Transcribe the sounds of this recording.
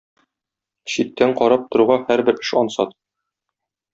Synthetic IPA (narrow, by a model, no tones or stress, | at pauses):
ɕit̪ːæɴqɒɾɑp̚t̪ŏɾuʁɑhæɾbɘɾɘ̥̆ʃɒnsɑt̪